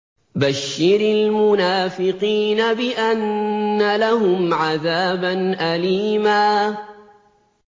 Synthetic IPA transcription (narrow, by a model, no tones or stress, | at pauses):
baʃːɪɾɪlmʊnaːfɪqiːnabɪʔanːalaɦʊmʕaðaːbanʔaliːmaː